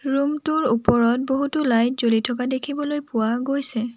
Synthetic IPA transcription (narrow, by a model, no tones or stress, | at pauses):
ɹumtʊɹupɔɹɔt̚boɦutʊlajtzolitʰɔk̬adekʰibɔlojpʊwaɡojsɛ